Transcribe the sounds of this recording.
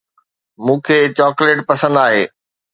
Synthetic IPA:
mũːkʰeːt͡ɕɔːkleːʈpɐsə̃nd̪aːɦeː

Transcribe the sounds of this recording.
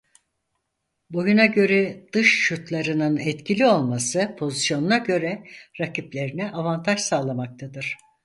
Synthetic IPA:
bojunaɟø̞ɾɛd̪̥ɯʃːut̪lˠaɾɯnɯnɛt̪cʰilʲio̞lˠmasɯpʰo̞zisjo̞nunaɟø̞ɾɛɾacʰiplʲe̞ɾinɛʔavant̪ʰaʃsaːlˠamak̚t̪ʰad̪ɯɾ̥

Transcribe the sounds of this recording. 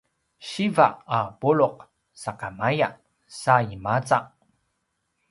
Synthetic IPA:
ɕiva̰ʔabuɭuq̚ | sakamaja | saimat͡saʔ

